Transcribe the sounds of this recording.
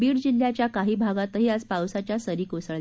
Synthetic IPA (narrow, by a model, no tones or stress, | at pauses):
biːɽd͡ʑiljat͡ɕjakaɦiːbʱaɡat̪əɦiːad͡zpawsat͡ɕjasəɾiːkusəɭle